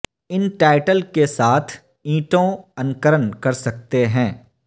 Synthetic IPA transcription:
ɪnʈaːɪʈəlkesaːt̪ʰ | ĩːʈõɐ̃nkəɾənkɐɾsɐk̚t̪eɦɛ̃ː

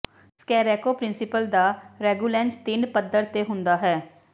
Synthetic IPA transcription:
skɛːɾɛːkoːpɾɪnsɪpəld̪aːɾɛːɡuːlɛ̃ːnst̪ɪnpəd̪əɾt̪eːɦʊnd̪aːɦɛː

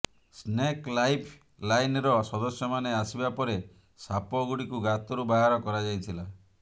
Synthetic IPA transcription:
sneklajpʰ | lajnɾɔsɔd̪ɔsjɔmaneasibapɔɾe | sapɔɡuɽikuɡat̪ɔɾubaɦaɾɔkɔɾad͡ʒajt̪ʰila

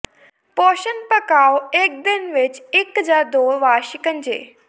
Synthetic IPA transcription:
pɔːʃənpəkaːoek̚d̪ɪnʋɪt͡ʃɪkɦəzaːɾd̪oːʋaːʃɪkə̃nd͡ʒḛː

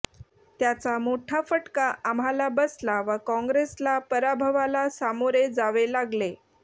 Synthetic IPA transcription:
t̪jat͡samoʈʰafəʈkaʔam̤alabəslaʋəkɔ̃ŋɡɾeslapəɾabʱəʋalasamoɾed͡zaʋelaɡle

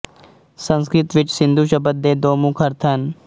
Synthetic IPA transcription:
sə̃nskɾɪt̪ʋɪt͡ʃsɪ̃nd̪ʱuʃəbət̪̚d̪eːd̪oːmũːkʰəɾt̪ʰən

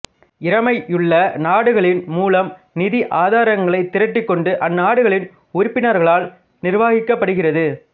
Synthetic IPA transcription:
ɪɾɐmɐɪʔɯɭːɐnaːɽɯɣɐɭɪnmuːlɐm | nɪðiʔaːðaːɾɐŋɡɐɭɐɪt̪ːɪɾɐʈːɪkːɔɳɖɯʔɐnːaːɽɯɣɐɭɪn | ʊɾɪpːɪnɐɾɣɐɭaːl | nɪɾʋaːɣɪkːɐpːɐɽɯɣɪrɐðɯ

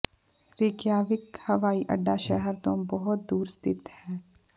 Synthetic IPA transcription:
ɾɪːkjaːʋɪkhɐʋaːiʔə̰ɖːaʃɛɦɛɾt̪õːbɐɦʊt̪̚d̪uːɾst̪ʰɪt̪hɛː

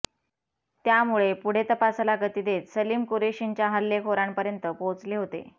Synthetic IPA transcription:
t̪jamuɭepuɽ̤et̪əpasalaɡət̪iːd̪et̪səlimkoɾeɕiɲt͡ɕjaɦəlːekʰoɾaɳpəɾjənt̪əpõt͡sleɦot̪ḛ

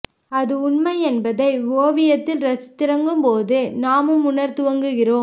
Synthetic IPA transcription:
ɐðɯʊɳmɐɪɛnbɐðɐɪʋoːʋɪjɐt̪ːɪlɾɐsɯ̥t̪ːɪɾɐŋɡɯmpoːðɯnaːmɯmʊɳɐɾt̪ɯʋɐŋɡɯɣɪroːm

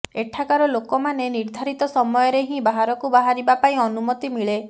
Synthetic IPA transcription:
eʈʰakaɾɔlokɔmaneniɾd̪ʱaɾit̪ɔsɔmɔjɔɾeɦĩbaɦaɾɔkubaɦaɾibapaĩɔnumɔt̪imiɭe

